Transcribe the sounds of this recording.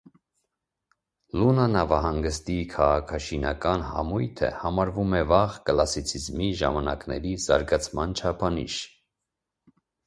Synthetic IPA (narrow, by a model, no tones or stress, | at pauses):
lunɑnɑvɑɦɑŋɡəst̪ikʰɑʁɑkʰɑʃinɑkɑnhɑ̰mujt̪ʰə̰hɑmɑɾvumɛvɑʁkəlɑsit͡sʰizmiʒɑ̰mɑnɑknɛ̰ɾizɑ̰ɾɡɑt͡sʰmɑnt͡ʃʰɑpʰɑnḭʃ